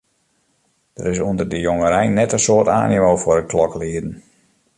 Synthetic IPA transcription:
d̥əɾɪsuəndərdəjoŋəɾɛjnɛtənsoːta̰ːnimoːfʊɾəkʰlɔkliːədn̩

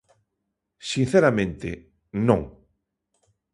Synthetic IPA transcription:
sinθeɾamẽnt̪ɪ̰ | nõŋ

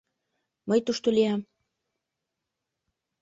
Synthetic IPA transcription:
məjt̪uʃt̪oliɑm

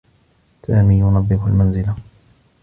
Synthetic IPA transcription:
saːmiːjʊnɑðˤːɪqalmanzɪla

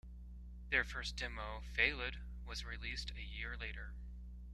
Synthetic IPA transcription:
ðə˞fɜ˞sd̥ɪmoʊfeɪlˠɪd̚ | wʌzɹilistʰɨjɪɹleɪɾə˞

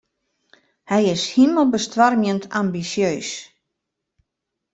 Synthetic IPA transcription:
hɛjɪshiməlˠbəstʋarmjəntʰambisjøːs

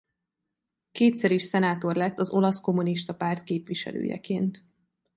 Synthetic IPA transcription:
keːt̪sɛɾiʃsɛnaːt̪o̞rlɛt̪ːɒzo̞lɒsko̞muniʃt̪ɒpaːrt̪̚keːpʋiʃɛ̰lø̰ːjɛ̰kḛːnt̪

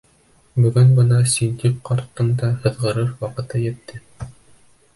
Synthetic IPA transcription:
bɵ̆ɡɵnbɤnɑsind̪ikqɑɾt̪ːɤ̆nd̪ɑhɤ̆ðʁɤ̆ɾɤɾwɑqɤ̆t̪ɤjɘ̆t̪ːɘ

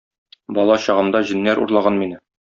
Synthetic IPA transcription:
bɒlˠɑɕɑʁɤ̆md̪ɑʑɘ̆nːæɾṵɾlˠɑʁɑnminɘ

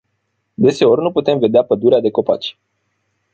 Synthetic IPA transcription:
d̪e̞se̞o̞rʲnuput̪e̞mve̞d̪eapəd̪uɾead̪e̞ko̞pa̰t͡ʃʲ

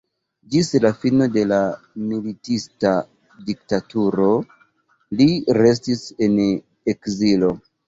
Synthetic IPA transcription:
d͡ʒislafino̞de̞la | militista | dik̚tatuɾo̞ | liɾe̞s̬tise̞n | ekzilo̞

